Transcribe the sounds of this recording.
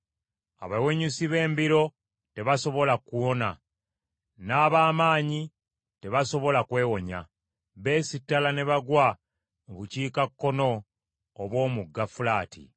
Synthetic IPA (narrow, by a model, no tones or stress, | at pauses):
a̰βaweɲusiβe̞ːmbiɾo̞ | te̞βaso̞βo̞lakuwo̞na̰ | naːβaːmaːɲi | te̞βaso̞βo̞lakwe̞ːwo̞ɲa̰ | βe̞ːsitːalane̞βaɡwa | muβuciːkakːo̞no̞ː | βwo̞ːmuɡːafulaːtʰḭ